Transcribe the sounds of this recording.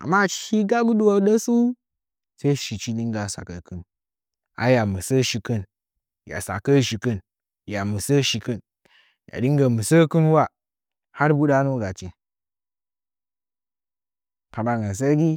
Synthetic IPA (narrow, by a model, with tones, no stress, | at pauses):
a̰˨mːa˦˨t͡ʃʃi˦ɡa˦ɡu˦ɗu˦wo˨ɗə˦su˦ | se˦ʃi˨t͡ʃi˦ɗi˦ŋɡa˨sa̰˨kə˨kɨ˦n | a̰˨ja˨mə˨sə˦ʃi˨kə˦n | ja̰˨sa̰˨kə˦ʃi˨kə˦n | ja˨mə˨sə˦ʃi˨kə˦n | ja̰˨ɗi˦ŋ˦ɡa˨mu˨sə˦kɨ˦nwa˦ | ha˦ɾbu˦ɗa˦no˦ɡa˨t͡ʃe˨ | pa˨ba˨ŋɡa˨s̬a˦ɡi˦